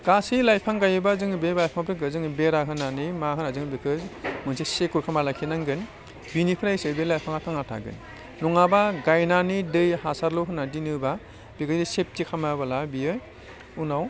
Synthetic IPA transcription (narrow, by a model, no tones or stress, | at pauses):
ɡ̥asilajpʰaŋɡajɯbazɯŋbebajpʰaŋpʰɾɯɡɯzɯŋbeɾaɦɯnanimaɦɯnazɯŋbikʰɯzmɯnsʰisekuɾkʰamalakʰinaŋɡɯn | binipʰɯɾajsɯbelajpʰaŋatʰaŋatʰa̰ɡɯ̰nː | uŋabaɡajnanidɯjhasaɾlɔɦɯnadinɯba | b̥ikʰɯzisep̚tikʰamabalabijɯj | unaw